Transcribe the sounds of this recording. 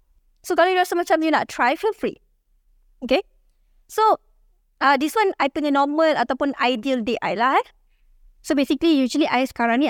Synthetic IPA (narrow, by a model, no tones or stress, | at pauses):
sokalɔjuɹasəmat͡ʃãmjuna̰ttʰɹajfəfɹḭʔ̚ | oke | so | adiswãnajpĩnənɔməlat̪awpũnajdiəldeʔa̰jla | sobesiklijud͡ʒuəliʔajsə̥kaɹãni